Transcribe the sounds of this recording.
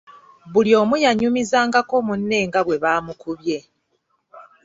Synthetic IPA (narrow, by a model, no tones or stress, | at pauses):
βuljo̞ːmujaɲumizaːŋɡako̞munːe̞ːŋɡaβwe̞βaːmukuβje̞